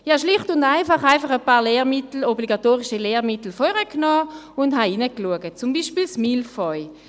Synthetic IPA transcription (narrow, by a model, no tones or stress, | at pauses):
ihaʃliχtʊndaɪfɑχaɪfɑχəpɑːʁleːʁmitl̩obliɡatoːʁiʃileːʁmitl̩fɔʁəknɔː | ʊndɦainəkluəɡət̚t͡sumbiːʃpilsmilfɔʏ